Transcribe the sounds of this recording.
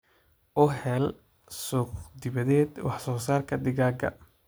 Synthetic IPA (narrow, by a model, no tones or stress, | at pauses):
ʔʊɦɛl | sɔːkd̪ɪβɐðɛːd̪wɑħsɔːsaːrkʰɐdɪɣaːɡɐ̰